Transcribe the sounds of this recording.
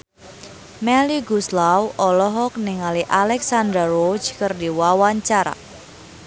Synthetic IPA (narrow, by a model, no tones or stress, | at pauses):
mɛliɡuslawɔlɔɦɔk̚niŋaliʔalɛksand̪ɾarod͡ʒkərdiwawaɲt͡ʃaɾa̰